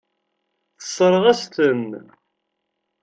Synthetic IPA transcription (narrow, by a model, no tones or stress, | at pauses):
θə̥sˤːɾˤʁæst̪ən